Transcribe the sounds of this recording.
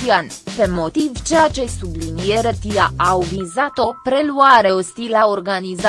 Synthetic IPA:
ianpe̞mo̞t̪ivt͡ʃejat͡ʃe̞sublinieɾət̪ijaʔawvizat̪o̞pɾe̞luaɾe̞ost̪ilaorɡaniza

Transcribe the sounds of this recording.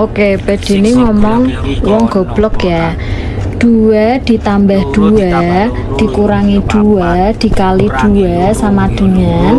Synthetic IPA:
okebɛ̤d̪̥i̤neŋɔmɔŋwɔŋɡ̥ɔ̤b̥lɔkja | ɖ̪̥uwɛd̪̥i̤t̪ambɛhd̪̥uwɛ | d̪̥i̤kuɾaŋid̪̥uwɛd̪̥i̤kalid̪̥uwɛsamad̪̥ṳɲa

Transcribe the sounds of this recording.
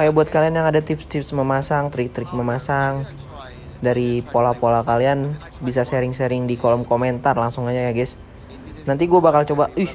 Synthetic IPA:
kajabuat̪̚kalianjaŋadat̪ɪpst̪ɪpsməmasaŋt̪ɾɪk̚t̪ɾɪk̚məmasaŋ | daɾipolapolakalian | bisaseɾɪŋseɾɪŋdikolɔmkoment̪arlaŋsʊŋaɲajaɡɪs | nant̪iɡuabakalt͡ʃobaʊh

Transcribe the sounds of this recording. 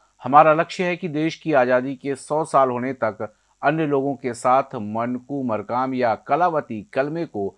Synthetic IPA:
hɐmaːɾalɐkʃjəɦɛkid̪eːʃkiaːzaːd̪ikesɔːsaːlɦoːnet̪ɐk | ɐnjəloːɡõkesaːt̪ʰmɐnkumɐɾkaːmjakɐlaːʋət̪ikɐlmeko

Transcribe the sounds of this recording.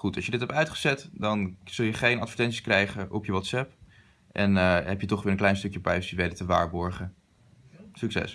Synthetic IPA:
χutɑ̰lˠjədɪtɦɛp̚tœɥtχəzɛtdɑnz̥ɵlˠjəχejnɑtfəɹtɛnsi̥skrɛjχəʔɔpjəʋɑtsɛp | ʔɛnəɦɛpjətɔχʋɪːɹənklɛjnstɵkjəpɛjsəʋedətəʋa̰ːɹbɔɹχə | syksɛ̰s

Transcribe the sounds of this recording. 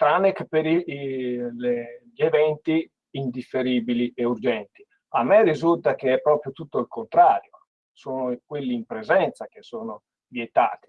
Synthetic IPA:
t̪ɾanekpeɾi | leʎievɛnt̪i | ind̪ifːeɾiːbilieurd͡ʒɛnt̪i | amːɛrːizult̪ak̟eɛpːɾɔːpɾjot̪ut̪ːoilkont̪ɾaːɾjo | soːnokwelːiːmpɾezɛnt̪sak̟esːoːno | vjet̪a̰ːt̪i̥

